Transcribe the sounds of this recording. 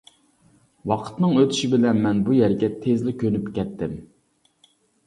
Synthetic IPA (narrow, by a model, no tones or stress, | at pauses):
wɑqʰə̥t̪nɨŋøt̪ʰy̥ʃibɪlɛnmɛnbujɛɾɡʲɛt̪ʰezlɪkʲʰønypkʲɛt̪ʰːɪm